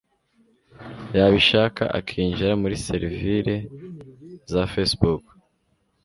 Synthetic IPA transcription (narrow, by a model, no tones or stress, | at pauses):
jaːβiʃaːka̰ʔa̰kʰiːɲʒiɾamuɾiseɾiviɾe̞ | zafesbuk